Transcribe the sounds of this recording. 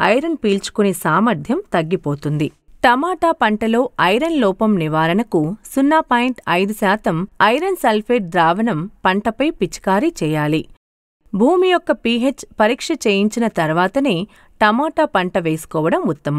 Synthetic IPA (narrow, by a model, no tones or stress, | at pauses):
ɐ̰jɾɐnpiːlt͡ʃu̥kuneːsaːmɐɾd̪ʱjɐmt̪ɐɡːipo̞ːt̪und̪i | ʈɐmaːʈaːpɐɳʈɐlo̞ːɐjɾɐnlɔːpɐmniʋaːɾɐnɐkusunːaːpaːjiɳʈɐjd̪usaːt̪ɐmɐjɾɐnsɐlpʰeːʈ̚ɖ̪ɾaːʋɐnɐmpɐɳʈɐpɐjpit͡ʃi̥kaːɾit͡ʃɛːjaːli | bʱuːmijɔkːɐpiːɦet͡ʃːpɐɾiːkʂɐt͡ʃeːjiɲt͡ʃinɐt̪ɐɾʋaːt̪ɐneː | ʈɐmaːʈaːpɐɳʈɐʋeːsu̥kɔːʋɐɽɐmut̪ːɐmɐm